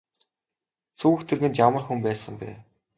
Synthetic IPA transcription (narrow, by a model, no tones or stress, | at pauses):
t͡sʰuwɘ̆xt̪ʰĕrɣɘ̆nt̪jamə̆rxumpæːsə̆mpæ̰ː